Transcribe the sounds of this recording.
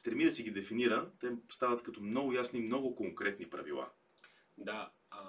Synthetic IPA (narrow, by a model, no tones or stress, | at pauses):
st̪ɾɛmid̪əsiɡid̪ɛfiniɾət̪ɛst̪avət̪kɐt̪ɔmnɔɡʊjasnimnɔɡʊkoŋkɾɛt̪nipɾɐ̰vilˠa̰ | d̪a